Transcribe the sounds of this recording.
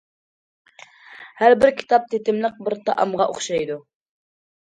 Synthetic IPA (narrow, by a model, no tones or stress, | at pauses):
hæɾbɪɾkʲʰi̥t̪ʰɑp̚t̪ʰet̪ɪmlˠəq̚bɪɾt̪ʰɑʔɑmʁɑʔo̰χʃɑjd̪u